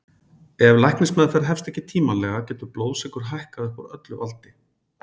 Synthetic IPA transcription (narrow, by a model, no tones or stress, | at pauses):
ɛvlajknɪsmɛːðafɛɾɦɛfst̪ɛhcːɪt̪ʰiːmalɛɣacɛːt̪ʏɾplowðsɪkʏɾ̥ɦajhkaðɛhka̰ɾœ̰t̪lʏvalt̪ɪ